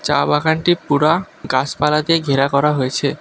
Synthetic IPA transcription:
t͡ɕa̰baɡanʈipuɽa | ɡat͡ɕpalad̪ieɡʱeɾakɔɾaɦojet͡ɕʰe

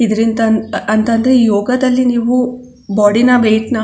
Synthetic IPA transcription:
id̪ɐɾind̪ɐɐnt̪ɐnd̪ɾeiːjoːɡɐd̪ɐlːiniːʋu | bɔːɽinɐʋeːʈnɐ

